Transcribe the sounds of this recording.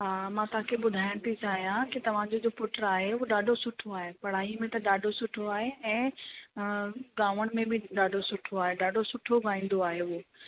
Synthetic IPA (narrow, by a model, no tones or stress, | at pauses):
ɦaːmãːt̪ɐɦãkʰebʊd̪ʱaːɪəɽ̃t̪ʰit͡ɕaːɦijãkit̪ɐʋ̤ãd͡ʑod͡ʑoːpʊʈəɾaːɦeʊoɗaːɖʱosʊʈʰoaːɦepɐɽ̤aːɦimẽt̪ɐɗaːɖʱosʊʈʰoaːɦeɛ̃ː | ɡãːʋəɽ̃̆mẽbʱɪɗaːɖʱosʊʈʰoaːɦeɗaːɖʱosʊʈʰoɡãːĩːn̆d̪oaːɦeʊo